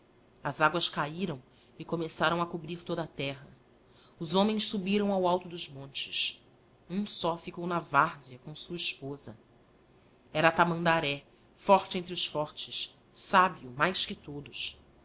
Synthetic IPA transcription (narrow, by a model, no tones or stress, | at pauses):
ɐzaɡwɐskaiɾɐ̃w̃ | ɪkomesaɾɐ̃w̃ɐkubɾiɾt̪od̪ɐat̪ɛɦɐ | ʊzõmẽj̃ssubiɾɐ̃w̃awawt̪ʊd̪ʊzmõnt͡ʃɪ̥s | ũsɔfikownɐvaɾziɐkõsuɐiʃpozɐ̰ | ɛɾɐaːt̪amɐ̃d̪aɾɛ | fɔɾt͡ʃɪẽnt̪̬ɾɪʊsfɔɾt͡ʃɪʃ | sabiumajskɪt̪od̪ʊs